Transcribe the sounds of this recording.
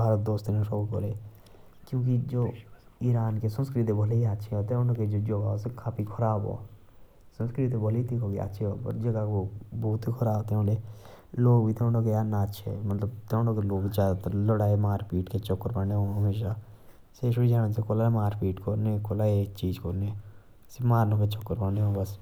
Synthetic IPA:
bʱaːɾət̪̚d̪oːst̪enõʃoːko̰ːleː | kjõːkid͡ʒoːiːɾaːnkesənskɾit̪̬ebʱəleiatːʃʰeot̪eʊ̃ɳɖoked͡ʒoːd͡ʒoːɡaosekʰaːpikʰəɾaːbo̰ː | sənskɾit̪ebʱolit̪ikoːkea̰tːʃʰeo̰ːpə̰ɾd͡ʒəɡaobuːt̪ikʰəɾaːbt̪eõɖeː | loːɡbʱiːt̪eõɳɖoːkejaːnatːʃʰḛmət̪ləbt̪eõɳɖõːkeloːkd͡ʒaːd̪at̪ləɽaːemaːɾpiːʈket͡ʃokːəɾpəɳeɦõːɦəmeːʃ̬aː | seːʃoɽid͡ʒaːɽsekolaːmaːɾpiːʈkoɾnekolaːeːk̚t͡ʃiːd͡ʒkoɾne | semaːɾnõket͡ʃokːəɾpəɳeɦõːbəs

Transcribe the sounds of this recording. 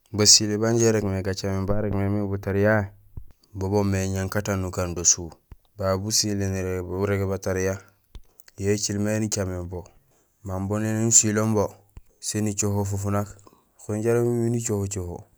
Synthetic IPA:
basilebaɲɟeɾekmeɡat͡ʃamembaɾekmemibutaɾija | bobomeɲaŋkatanːukandosu | babusileniɾeɡebataɾija | jet͡ʃilmenit͡ʃamembo | mambonlenenusilombo | senit͡ʃoɦofufunak | xunɟaɾemiminit͡ʃohot͡ʃoho̰

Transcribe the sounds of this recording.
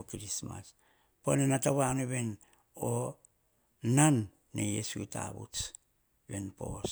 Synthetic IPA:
okiɾisma̰s | ponenataβanoβe̞n | o | nanː | ḛjḛsuita̰βṵt͡s | benpo̞̰s

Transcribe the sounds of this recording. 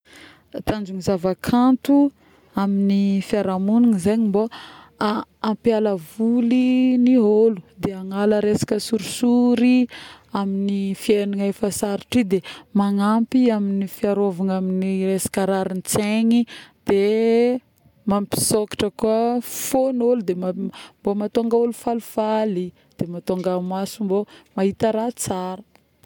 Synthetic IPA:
t̪and͡ʒuŋizavakʰant̪u | aminifiaɾamuniŋizeɲimbo | aampjaləvuliniɦolud̪eaŋaləɾesḁkʲəsuɾisuɾiaminifieniŋefasaɾi̥ʈ͡ʂid̪emaŋampiaminifiaɾovaŋaminiresḁkaɾaɾint͡seŋid̪̥e | mampi̥sokḁʈ͡ʂəkuəfonolud̪emambomat̪oŋɡəolufalufali | d̪̥emat̪oŋɡamasumbomaɦit̪əɾat͡saɾə̥

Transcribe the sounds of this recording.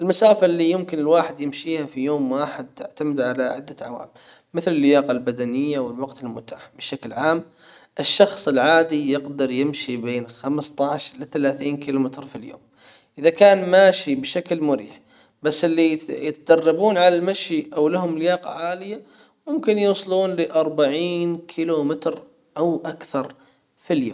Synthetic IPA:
ʔɪlmasaːfalːijɪmkɪnɪlwaːħɪd̪jɪmʃiːhafijoːmwaːħɪd̪̚t̪ɪ̰ʕt̪amɪd̪ʕalaʕɪ̰d̪ːaʕa̰wa̰ːmː | ɪθlɪlːɪjɑːqɑlbad̪anɪjːawɪlwɑɡt̪ɪlmʊ̰t̪aːħbɪʃaklʕaːm | ʔɪʃːɑxsˤɪlʕaːd̪ijɪqd̪ɑɾˤjɪmʃibeːnxamst̪ˤɑʕʃlɪθalaːθiːnkɪlʊmɪt̪ɾfiljo̰ːm | ʔɪðakaːnmaːʃibʃaklmʊɾḭːħ | basːɪlːijɪt̪d̪ɑrˤːɑbuːnʕalalmaʃiʔawlaɦʊmlɪjɑːqɑ̰ʕaːlɪjːa | mʊmkɪnjuːsˤluːnlɪʔɑɾˤbaʕiːnkʰɪlumɪt̪ɾ | ʔawʔakθɑɾˤ | filjo̰ːm

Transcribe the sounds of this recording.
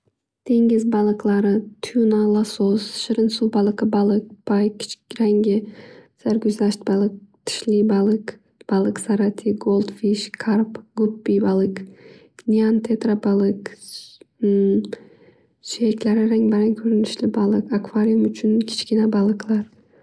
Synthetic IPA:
t̪ʰe̞ŋʲɪzbɑlˠɨqlˠɑɾɨt̪ʰʊjunalˠasosʃɪɾɪnsubɑlˠɨqɨbɑlˠɨk̚b̥ajkʲʰːɪ̥t͡ʃɾaŋɡʲɪsaɾɡʲʊzlaʃt̪̚bɑlˠɨk̚t̪ʰɪ̥ʃlibɑlˠɨk | b̥ɑlˠɨqsaɾat̪ʰiɡolˠd̪fiʃkʰaɾpɡʊpːibɑlˠɨk | nʲiant̪ʰet̪ɾabɑlˠɨk | ʃekʲlaɾɪɾaŋbaɾaŋkʲʰɵɾɪnɪʃlɪbɑlˠɨqakvaɾʲijumʊt͡ʃʰʊnkʲʰɪ̥t͡ʃkʲɪnabɑlˠɨqlˠɑɾ

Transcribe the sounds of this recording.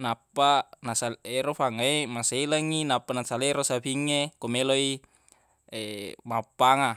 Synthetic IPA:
napːanasaleɾofaŋaemaseilaŋːinapːanasaleɾosabiŋːekomeloi | emapːaŋa

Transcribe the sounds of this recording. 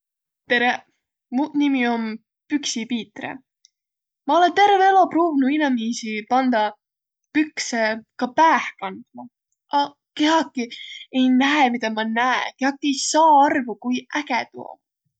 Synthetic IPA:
t̪e̞ɾe | munimio̞n | pyksipiːt̪rḛ | mɑo̞le̞nt̪e̞rveelo̞pruːvnuinɑmiːsipɑnd̪̥ɑ | pyksekɑpæːhkɑnd̪̥mɑ | ɑ | ke̞ɦɑkːˑiejnæemid̪ɑmɑnæḛke̞hɑkːˑie̞jsɑːɑrvukujækɛt̪uo̰

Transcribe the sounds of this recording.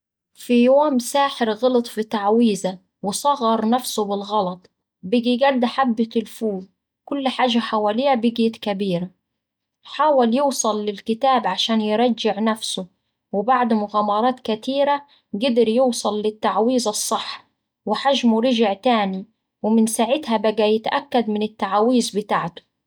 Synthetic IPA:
fijoːmsaːħɪɾɣɑlɑt̪ˤfit̪aʕwiːza | wɪsˤɑɣɑɾˤnafsʊbɪlɣɑlɑt̪ˤ | bɪɡiɡad̪ːħabːɪt̪ɪlfuːz | kʊlːħaːʒːaħawaːlɪjːabɪɡjɪt̪kabiːɾa | ħaːwaljuːsˤɑlːɪlkɪt̪aːbʕaʃaːnjɪɾˤɑd͡ʒːɪʕnafsʊ | wɪbaʕd̪mʊɣaːmɑɾˤɑːt̪kat̪iːɾa | ɡɪd̪ɪɾjuːsˤɑlːɪt̪ːaʕwiːzɑsˤːɨħː | wɪħaʒmʊɾɪʒɪʕt̪aːni | wɪmɪnsaʕɪd̪habaɡæjɪt̪ʔakːad̪mɪnɪt̪ːaʕawiːzbɪt̪aːʕt̪ʊ̥

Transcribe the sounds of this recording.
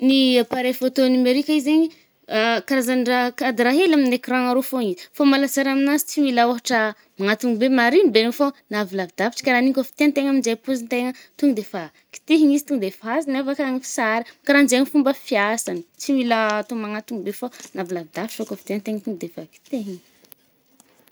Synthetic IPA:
niapaɾefot̪onameɾikʲaizeɲi | kaɾazanɖ͡ʐakad̪ɾaɦelaminekiɾãŋaɾofoŋizifomalazaɾaminazi̥t͡similaoɦaʈ͡ʂə | maŋat̪uŋibemaɾibenofonavilavid̪afi̥ʈ͡ʂə̥kaɾanikʲofi̥t̪ent̪eŋaminzejpuzint̪eŋət̪uŋid̪efa | ki̥t̪eɦiɲizi̥t̪uŋd̪efazinavakɲifi̥saɾikaɾanzeɲifumbəfiasani̥t͡siwilət̪omaŋat̪uŋibefonavilavid̪afi̥ʈ͡ʂokəfi̥t̪eŋt̪eŋət̪uŋid̪efaki̥t̪eɦiŋ

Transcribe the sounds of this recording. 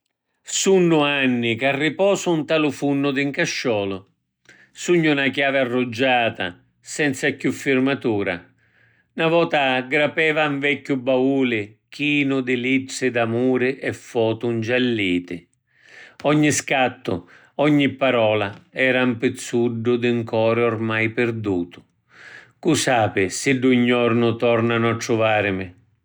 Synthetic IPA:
sunːʊanːɪkarːipɔːsʊunt̪aːlʊfunːʊd̪ɪŋkaʃːɔːlʊ | suɲːʊnakjaːvɪarːʊd͡ʒːaːt̪a̰ | sɛnt̪sakjufːɪrmat̪uːɾa̰ | navɔːt̪aɡɾapɛːvaɱvɛkːʊbauːlɪk̟iːnʊd̪ɪlit̪sːɪd̪amuːɾɪʔɛfːɔːt̪ʊnd͡ʒɛlːiːt̪ɪ | ɔɲːiskat̪ːʊ̰ | ɔɲːipːaɾɔːlaɛːɾampɪt̪sːuɖːʊd̪ɪŋkɔːɾɪɔrmajpɪɾd̪uːt̪ʊ̥ | kusaːpɪsɪɖːuɲːɔrnʊt̪ɔrnanʊatːɾʊvaːɾɪmɪ

